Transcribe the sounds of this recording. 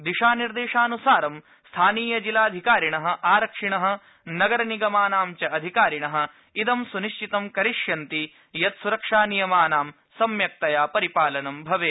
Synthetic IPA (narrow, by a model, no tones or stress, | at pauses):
d̪iʃaːniɾd̪eːʂaːnusaːɾɐm | st̪ʰaːniːjɐd͡ʒilaːɐd̪ʱikaːɾiɳɐɦɐ̆ʔaːɾɐkʂiɳɐɦɐ̆ | nɐɡɐɾɐniɡɐmaːnaːmt͡ʃɐɐd̪ʱikaːɾiɳɐɦɐ̆ | id̪ɐmsuniʃt͡ʃit̪ɐmkɐɾiʂjɐnt̪i | jɐt̪suɾɐkʂaːnijɐmaːnaːm | sɐmjɐk̚t̪ɐjaːpɐɾipaːlɐnɐmbʱɐʋeː